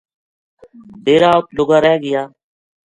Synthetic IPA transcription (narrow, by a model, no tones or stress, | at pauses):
d̪eːɾaːp̪lʊɡaːɾɛːɡɪjaː